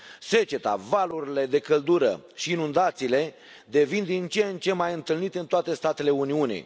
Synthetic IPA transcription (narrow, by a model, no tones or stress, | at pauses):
se̞t͡ʃe̞t̪a̰valuɾile̞d̪e̞kəld̪uɾə̰ʃiːnund̪at̪siːle̞ | d̪e̞vind̪int͡ʃent͡ʃe̞majɨnt̪ɨlnit̪ɨnt̪oat̪e̞st̪at̪e̞le̞uniunḭ